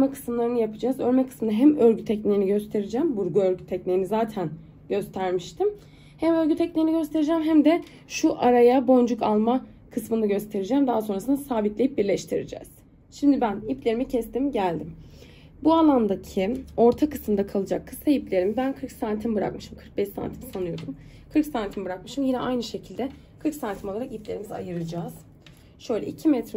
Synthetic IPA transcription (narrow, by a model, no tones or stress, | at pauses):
ømɛkʰɯ̥smlˠaɾɯnɯjapʰɯd͡ʒazøɾmɛkʰɯ̥smɯnaɦæmøɾɟyt̪ʰːɛcnʲejiniɟø̞st̪ʰe̞ɾid͡ʒæːmbuɾɡuøɾɟyt̪ʰːɛcnʲejinizaːt̪ʰæn | ɟø̞st̪ʰæɾmiʃt̪ʰim | hæmøɾʲɟyt̪ʰːɛcnʲejiniɟø̞st̪ʰe̞ɾid͡ʒɛːmɦæmd̪ɛ | ʃuʔaɾajabo̞nd͡ʒukʰalˠma | kʰɯsmɯnaɟø̞st̪ʰe̞ɾid͡ʒæːmd̪aɦaso̞nɾasɯnasaːbit̪lʲejip̚biɾlʲɛʃt̪ʰiɾḭd͡ʒɛ̰ːz̥ | ʃimd̪ibæniplʲe̞ɾimicʰɛst̪imɟælʲd̪im | bualˠand̪acʰio̞ɾt̪ʰakɯ̥sɯmd̪akʰalˠɯd͡ʒakʰːɯsajiplʲe̞ɾimibænkʰɯɾksant̪ʰimbɯɾa̰kmɯʃɯmkʰɯɾk̚bɛʃsa̰nt̪ʰimsanujo̞d̪um | kʰɯɾksant̪ʰimibɯɾak̚mɯʃɯmjinɛʔajnɯʃecʰilʲd̪ɛ | kʰɯɾksant̪ʰimo̞lˠaɾakiplʲe̞ɾimiza̰jɯɾɯd͡ʒaːz̥ | ʃø̞jlʲɛ̰icʰimɛt̪ɾ